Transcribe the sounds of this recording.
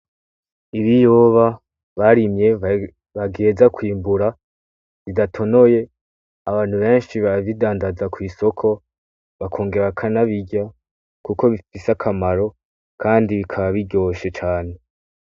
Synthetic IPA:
iβijoβa | βaɾimɲe̞ | βaɡeːzakwiːmbuɾa | βidatʰo̞no̞je̞ | aβaːn̥huβe̞ːnʃiβaβidaːndazakwiːso̞kʰo̞ | βakʰo̞ːŋɡe̞ɾakʰanaβiɟa | kuko̞βifisakʰamaɾo̞ | kʰaːndiβikʰaβaβiɟo̞ːʃe̞t͡ʃaːne̞

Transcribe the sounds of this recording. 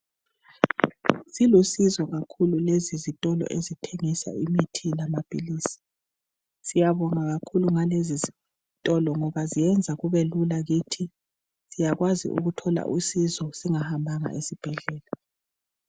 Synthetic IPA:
silusizɔɣakʰululezizitʼɔlɔ̰ʔezitʰeŋisa̰imitʰilamab̥ʱʼiliːsi̥ | sijaβɔŋaɣakʰuluŋalezizi | tʼɔlɔŋɔβazijɛnd͡zʱaɣuβelulaɣitʰi | sijaɣwazḭʔṵɣutʰɔla̰ʔusizɔsiŋahambʱaŋa̰ʔesib̥ʱɛɮɛːla

